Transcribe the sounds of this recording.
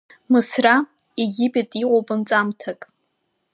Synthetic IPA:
mɨsra | eɡʲipʼetʼiqʷʼopʼɨnt͡sʼamtʰakʼ

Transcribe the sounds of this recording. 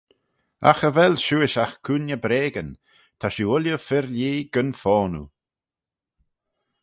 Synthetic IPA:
a̰xəvɛlʃuːɪʃaxkʰuːnjəbɾeːɡən | t̪ʰaʃuʊljəfɪɾljeːɡ̥ənfɔːnṵ

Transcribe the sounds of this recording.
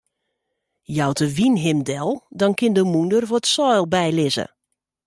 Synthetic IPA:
jawtʰəʋinɦɪmdɛlˠdɔnkɪndəmundərvotsɔjlˠbɛjlɪzə̰

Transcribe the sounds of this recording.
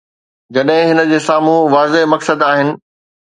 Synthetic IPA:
d͡ʑɐɗɦɪ̃ɦɪnə̆d͡ʑeːsaːmũʋaːzeɦmɐksəd̪aːɦɪnɪ̆

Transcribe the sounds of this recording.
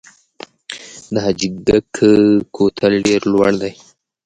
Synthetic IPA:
d̪əɦad͡ʒiɡd̪əkʰəkʰot̪ʰalɖeɾlwaɽd̪aj

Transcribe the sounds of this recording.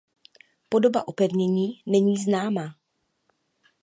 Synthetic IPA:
po̞do̞ba̰ʔopɛvɲɛɲiːnɛɲiːznaːmaː

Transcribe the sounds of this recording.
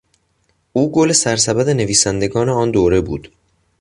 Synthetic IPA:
ʔuːɡole̞sæɾsæbæd̪e̞ne̞viːsænd̪e̞ɡɒːneɒːnd̪oːɾe̞buːd̪̥

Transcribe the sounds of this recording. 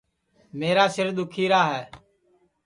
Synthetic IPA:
meːɾaːsɪɾd̪ʊkʰiːɾaːɦɛː

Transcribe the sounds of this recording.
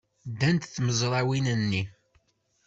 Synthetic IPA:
d̪ænt̪θməzˤɾˤɑwinənːi

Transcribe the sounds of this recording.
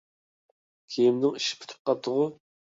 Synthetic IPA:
kʲʰejimnɪŋiʃɪ̥pʰy̥t̪ʰy̥p̚qɑt̪ʰːəʁʊ

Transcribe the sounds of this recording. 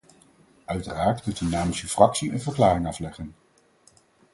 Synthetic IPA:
œɥtəraːɹtməntynaːmisəfrɑksiʔə̰nvəɹklaːrɪŋɑflɛχən

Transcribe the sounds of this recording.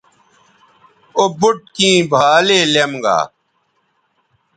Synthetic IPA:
obuʈ̚kĩːbʱaːleːlemɡa̰ː

